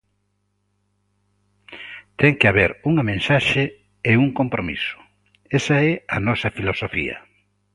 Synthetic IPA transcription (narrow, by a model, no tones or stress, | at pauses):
t̪ɛŋkeaβeɾuŋɐmẽnsaʃe | euŋkompɾomḭsʊ̥ | esɐɛɐnɔsɐfilosofḭɐ̰